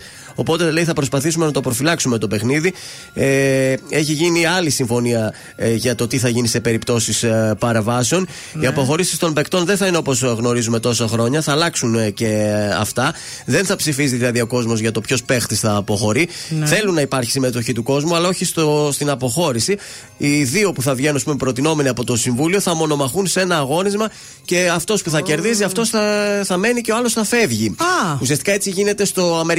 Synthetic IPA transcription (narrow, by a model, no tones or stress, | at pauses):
o̞po̞t̪e̞le̞iθɐpɾo̞spɐθisume̞nɐt̪o̞pɾo̞filɐksume̞t̪o̞pe̞xniði | e̞çiʝiniɐlisiɱfo̞niɐ | ʝɐt̪o̞t̪iθɐʝinise̞pe̞ɾipt̪o̞sispɐɾeɱvɐseo̞n | iɐpo̞xo̞ɾisi̥st̪o̞mbe̞kt̪o̞nðe̞nθɐineo̞po̞zɣno̞ɾizume̞t̪o̞sɐxɾo̞ɲɐθɐːlɐksunce̞ɐ̰ft̪ɐ | ðe̞nθɐpsifiziðilɐðio̞ko̞zmo̞zʝɐt̪o̞pço̞spe̞xt̪isθɐːpo̞xo̞ɾiθe̞lunːɐipɐɾçi̥sime̞t̪o̞çit̪uko̞zmuɐlɐo̞çist̪ost̪inɐpo̞xo̞ɾisi | iðio̞puθɐvʝe̞nunɐspume̞pɾo̞t̪ino̞me̞niɐpo̞t̪o̞siɱvulio̞θɐmo̞no̞mɐxunsee̞nɐːɣo̞nizmɐ | ce̞ɐft̪o̞spuθɐce̞ɾðiziɐft̪o̞sθɐθɐme̞niceo̞ɐlo̞sθɐfe̞vʝiusiɐst̪ikɐe̞t͡siʝine̞t̪e̞st̪o̞ɐme̞